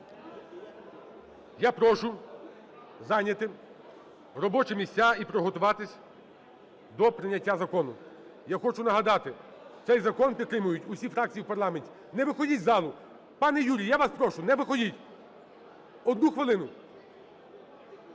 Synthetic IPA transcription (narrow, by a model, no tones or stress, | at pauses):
japɾɔʃʊ | zɑnʲɐt̪ɪ | ɾɔbɔt͡ʃɛmʲisʲt͡sʲːaipɾɔɦɔt̪ʊʋɑt̪ɪsʲ | d̪ɔpɾɪnʲːɐtʲːazɐkɔnʊjaxɔt͡ʃʊnɐɦɐd̪ɑt̪ɪ | t̪sɛjzɐkɔnpʲid̪t̪ːɾɪmʊjʊtʲʊsʲifɾɑk̚t͡sʲijiwpɐrlˠɑmenʲtʲi̥ | nɛʋɪxɔdʲitʲzɑlˠʊ | pɑnɛjuɾʲijjaʋɑspɾɔʃʊnɛʋɪxɔdʲitʲ | ɔd̪nuxʋɪlˠɪnʊ